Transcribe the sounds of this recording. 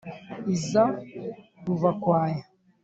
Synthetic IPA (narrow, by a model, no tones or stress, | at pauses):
iza | ɾuvakwaːja